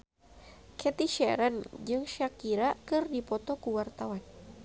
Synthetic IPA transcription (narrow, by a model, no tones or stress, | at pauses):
kʰɛt̪iʃɛɾand͡ʒɨŋʃakiɾakɨrdipɔt̪ɔkuwart̪awan